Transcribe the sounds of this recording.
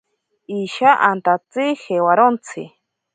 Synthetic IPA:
iʃaʔant̪at͡sihewaɾont͡sʰɪ̰

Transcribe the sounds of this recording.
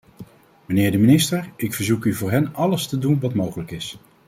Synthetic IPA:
mənɪːɹdəminɪstəɹɪkfəɹzukyvʊːɹɦɛnɑləstədunʋɑtmowχələkɪs

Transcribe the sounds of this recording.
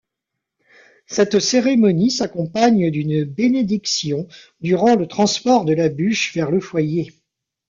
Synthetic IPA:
sɛt̪seʁemɔnisakɔ̃paɲd̪ynbened̪iksjɔ̃ | d̪yʁɑ̃lət̪χɑ̃spɔʁd̪əlabyʃvɛʁləfwaje

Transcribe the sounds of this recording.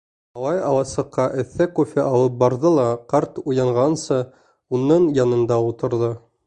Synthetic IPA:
ɑlˠɑjɑw̪ˠɑsɤ̆qːɑʔɘ̆θːækufʲeʔɑlˠɤp̚bɑɾðɤlˠɑqɑɾt̪ujɑɴʁɑnsɤ | unːɤɴjɑnɤ̆nd̪ɑut̪ɤ̆ɾðɤ

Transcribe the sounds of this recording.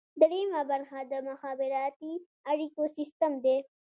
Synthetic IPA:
d̪əɽimabaɾxad̪əmʊxɑːbɪɾɑt̪i | aɽikosɪst̪əmd̪e

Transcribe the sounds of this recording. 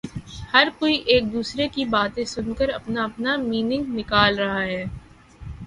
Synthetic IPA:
hɐɾkoːiʔeːk̚d̪uːsɾekibaːt̪ẽsʊnkəɾɐpnaɐpnamiːnɪ̃ŋɡnɪkaːlɾɐɦaɦɛː

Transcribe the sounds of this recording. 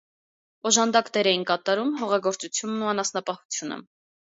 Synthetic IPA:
ɔʒɑnd̪ɑkt̪ɛɾɛjinkɑt̪ɑɾumɦɔʁɑɡɔɾt͡sut͡sʰjunːuɑnɑsnɑpɑhu̥t͡sʰjunə̰

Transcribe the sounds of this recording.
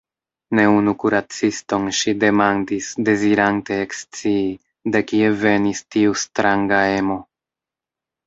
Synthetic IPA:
ne̞unukuɾat͡sisto̞nʃide̞mandisde̞ziɾante̞ːkst͡sii | dekie̞ve̞nistiustɾaŋɡae̞mo̞

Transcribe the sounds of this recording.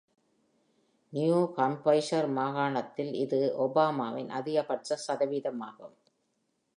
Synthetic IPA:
njjuːkɐmpɐɪʃɐɾmaːɣaːɳɐt̪ːɪlɪðɯʔɔbaːmaːʋɪnʔɐ̰ðɪjɐpɐʈrɐsɐðɐʋiːðɐmaːɣɐm

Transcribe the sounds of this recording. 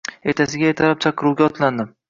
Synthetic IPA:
et̪ʰasɪɡʲajet̪ʰaɾɪp̚t͡ʃʰaqʰːɨɾuwɡʲaɒt̪ʰland̪ɪm

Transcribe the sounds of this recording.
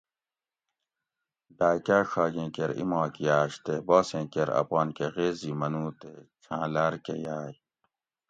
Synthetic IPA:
ɖaːkaːʂaːɡẽːkeɾḭmaːkijaːɕt̪ebɔːsẽːkeɾɐ̰paːnkeɣeːzimɐnuːt̪et͡ɕʰãːlaɾkejaːj

